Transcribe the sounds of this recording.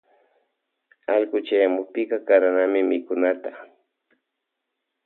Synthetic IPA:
aʎɢʊt͡ʃajamʊk̚pɪkɑkaɾanamɪmɪkʊnat̪a

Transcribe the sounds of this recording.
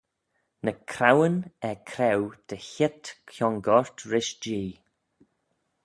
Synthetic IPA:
nəkʰɾawənɛkʰɾɛwd̪̥əçɪt̪kʰjɔŋɡɔɹt̪ɾɪʃd͡ʒiː

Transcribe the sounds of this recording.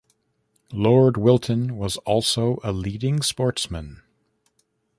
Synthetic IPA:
lɔɹd̚wɪlˠtʰɨ̃nwʌzɔlˠsoʊʔəliɾɪ̃ŋspɔɹtsmɨ̃n

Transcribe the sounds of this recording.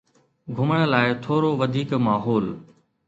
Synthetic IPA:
ɡʱʊməɽ̃ə̆laːɪt̪ʰoːɾoʋəd̪ʱiːkmaːɦoːl

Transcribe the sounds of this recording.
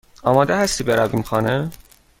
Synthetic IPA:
ɒːmɒːd̪eɦæst̪ibeɾæbimxɒːne

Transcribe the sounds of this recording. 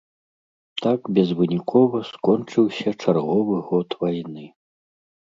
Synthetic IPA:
t̪akbʲɛzvɨnʲikʰɔvɐskɔnt͡ʂɨwsʲɐt͡ʂarɣɔvɨɣɔt̪vajnɨ

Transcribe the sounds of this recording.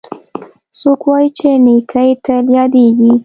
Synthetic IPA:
sokwɑjit͡ʃenekʰajt̪aljɑd̪eɡi

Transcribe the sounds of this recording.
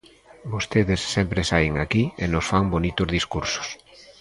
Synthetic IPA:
bost̪eðesːɛmpɾesajŋakienosfaŋbonit̪ozðiskuɾso̥s

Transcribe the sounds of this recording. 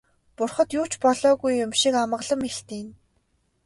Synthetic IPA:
pʊrχə̆t̪jʊːt͡ɕpɔɮɔːɣujːʊmʃikamə̆ʁɮə̆meɬt̪iːn

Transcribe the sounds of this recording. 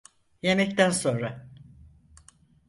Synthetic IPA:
jemɛct̪ænso̞nɾa

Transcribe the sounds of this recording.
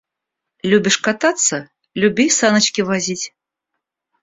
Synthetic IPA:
lʲubʲiʂkat̪at̪sːɐ | lʲubʲejsanɐt͡ʃkʲivazʲit͡sʲ

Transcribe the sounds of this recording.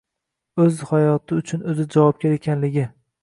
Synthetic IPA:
ɵzhajɒt̪ʰɪʊt͡ʃʰʊnɵzɪd͡ʒavɒp̚kʲaɾekʲʰanlɪɡʲɪ

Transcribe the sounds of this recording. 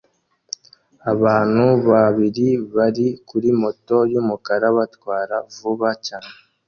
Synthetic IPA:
aβaːn̥huβaβiɾiβaɾikuɾimo̞to̞jumukaɾaβatwaːɾavuβacaːne

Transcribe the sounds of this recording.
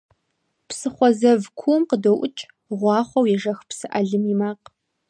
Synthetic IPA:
psɨχʷɔzɐvkʷʰuːmqədɐwʔʊt͡ʃʼ | ʁʷɑːχʷɔwjɛʒɐxpsɨʔɐɮɨmimaːq

